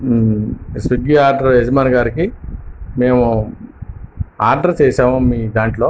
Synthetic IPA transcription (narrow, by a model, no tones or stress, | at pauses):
suɡiaːɾɖɐɾed͡ʒmaːnɐɡaːɾikime̞ːmu | aːɾɖɐɾt͡ʃɛːʃaːmumiːd̪aːɳʈlo̞ː